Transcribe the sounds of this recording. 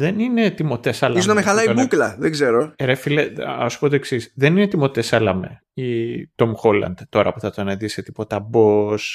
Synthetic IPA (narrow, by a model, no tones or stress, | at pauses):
ðenine̞t̪imo̞t̪esɐlɐizunɐmexɐlɐinmuklɐðeɡzeɾoɾefileɐsu̥pot̪oeksisðe̞ninet̪imo̞t̪esɐlɐmḛ | it̪o̞mxolɐ̰nd̪̥t̪ːo̞ɾɐ̰puθɐt̪oneðiset̪ipo̞t̪ɐbos